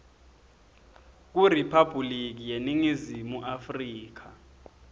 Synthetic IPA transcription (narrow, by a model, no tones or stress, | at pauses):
k̬uripʰab̥ʱulik̬ijeniŋizimuʔafriːk̬a